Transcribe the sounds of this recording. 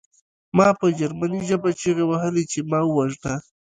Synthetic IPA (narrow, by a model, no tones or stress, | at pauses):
mɑpəd͡ʒaɾmaniʒabat͡ʃeɣawahəlet͡ʃemɑwaʒʈ̪a